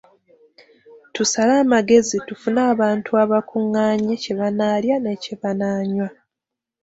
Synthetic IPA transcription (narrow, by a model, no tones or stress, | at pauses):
tusalaːmaɡe̞zitufunaːβaːntuaβakuŋːaːɲeceβanaːljane̞ceβanaːɲwa